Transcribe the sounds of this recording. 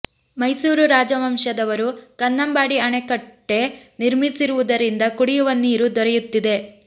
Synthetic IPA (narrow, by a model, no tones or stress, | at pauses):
mɐjsuːɾuɾaːd͡ʒɐmɐmʃɐd̪ɐʋɐɾukɐnːɐmbaːɽiɐɳekɐʈːe̞niɾmisiɾuʋud̪ɐɾind̪ɐkuɽijuʋɐniːɾud̪ɔɾɛjut̪ːid̪e̞